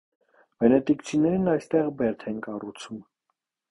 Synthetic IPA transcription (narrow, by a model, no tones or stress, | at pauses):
b̥ɛnɛt̪ikt͡sʰinɛɾnɑjst̪ɛʁbɛɾt̪ʰɛnkɑrut͡sʰum